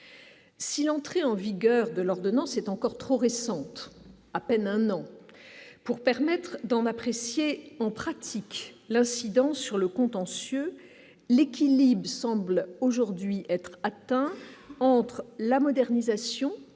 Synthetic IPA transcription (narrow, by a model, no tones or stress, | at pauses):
silɑ̃t̪χeɑ̃viɡʲœʁd̪əlɔʁd̪ɔnɑ̃sɛt̪ɑ̃kɔʁt̪χoʁesɑ̃t̪ | apɛnɛ̃nɑ̃ | puʁpɛʁmɛt̪χd̪ɑ̃napχesjeɑ̃pχat̪ʰiklɛ̃sid̪ɑ̃sːyʁləkɔ̃t̪ɑ̃sjø | lekʲilibʁsɑ̃bloʒuʁd̪ɥiʔɛt̪χat̪ɛ̃ɑ̃t̪χlamɔd̪ɛʁnizasjɔ̃